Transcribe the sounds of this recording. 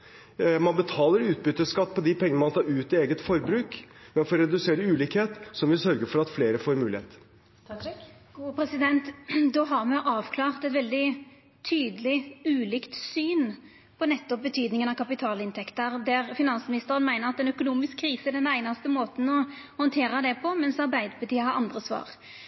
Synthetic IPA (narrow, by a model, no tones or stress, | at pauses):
mɑnbət̪ʰɑːləɾʉːt̪̚bʏt̪ːəskɑt̪ːpʰɔd̪ɪpʰɛŋəəmɑnt̪ʰɑːɾʉːt̪ɪeːɡət̪fɔɾbɾʉːkmɛnfɔɾɾɛd̪ʉseːɾəʉːliːkheːt̪sɔmʋɪsœɾɡəɾfɔɾɑt̪fleːɾəfoːɾmʉːlɪhḛːt̪ | ɡuːpʰɾɛsɪd̪ɛnt̪d̪oːɦɑʁmɛʔɑːʋkʰlɑːʁt̪ɛt̪ʋɛld̪ɪ | t̪ʰyːd̪əlɪʉːlɪkt̪syːn | pʰɔnɛt̪ːɔp̚bət̪ʰyːd̪nɪŋənɑkʰɑpɪt̪ʰɑːlɪnt̪ʰɛkt̪əʁd̪æʁfɪnɑnsmɪnɪst̪əʁənmæɪnəʁɑt̪ːɛnœkʊnuːmɪskʰːɾiːsəɛd̪ɛnæɪnɑst̪əmoːt̪n̩ɔ | hɔnt̪ʰeːɾɑd̪ɛpʰɔmɛnsɑʁbæɪd̪əpʰət̪ʰiːəhɑʁɑnd̪ʁəsʋɑ̰ːʁ